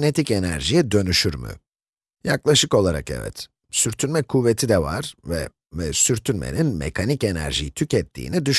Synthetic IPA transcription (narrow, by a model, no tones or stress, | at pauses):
net̪ʰicenæɾʒijɛd̪ø̞nyʃyɾmɯ̰ | jaklˠaʃɯko̞lˠaɾa̰kɛ̰vɛ̰t̪ | syɾt̪ʰynmɛkʰuvːet̪ʰid̪ɛva̰ɾ̥vɛ | vɛsyɾt̪ʰynmḛninmḛkʰanice̞næ̰ɾʒḭjit̪ʰycɛt̪ʰːḭːnid̪yʃ